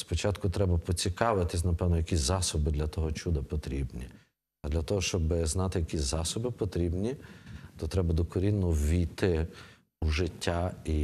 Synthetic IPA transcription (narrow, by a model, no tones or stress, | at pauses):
spɔt͡ʃɑt̪kʊt̪ɾɛbɐpɔt͡sʲikɑʋɪt̪ɪsʲnɐpɛʋnɔjɐkʲisʲzɑsɔbɪd̪lʲɐt̪ɔɦɔt͡ʃud̪ɐpɔt̪ɾʲibnʲi | ɐd̪lʲɐt̪ɔɦɔʃt͡ʃɔbɪznɑt̪ɪjɐkʲisʲzɑsɔbɪpɔt̪ɾʲibnʲit̪ɔt̪ɾɛbɐd̪ɔkɔɾʲinʊʋʲijt̪ɪ | uʒɪtʲːai